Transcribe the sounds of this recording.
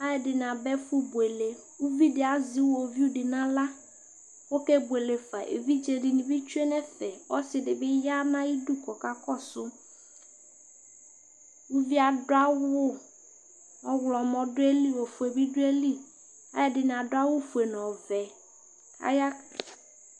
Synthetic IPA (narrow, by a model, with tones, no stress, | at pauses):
a˦jɛ˨dɪ˨n˨a˨bɛ˦fu˦bu˨e˨le˨ | wu˦vi˦dɪ˨a˨zɪ˦wɔ˨vi˦u˦ɖɪ˨nã˦la˦ | wo˦kɛ˦bu˨e˨le˨fa˨ʔḛ˨vi˦d͡ʒe˨ɖɪ˨nĩ˨bi˦t͡ʃu˦e˦nɛ˦fɛ˨ɔ˦sɪ˨dɪ˨bɪ˦ja˦nã˦ji˦du˦kɔ˨ka˦kɔ˦sʊ˦ | wu˦vi˦a˨dʊ˦a˦wʊ˦ | ɔ˦wlɔ˨mɔ̃˨dʊ˦e˦li˦wo˨fu˨e˨bi˦ɖʊ˦e˦li˦ | a˦ja˦dɪ˨n˨ã˨dʊ˦a˦wʊ˦fu˨e˨nɔ̃˨vɛ˨ | a̰˦ja˦